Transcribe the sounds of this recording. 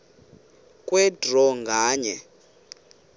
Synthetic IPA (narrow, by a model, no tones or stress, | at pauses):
kʼwɛdʱrɔŋɡʱaːɲɛ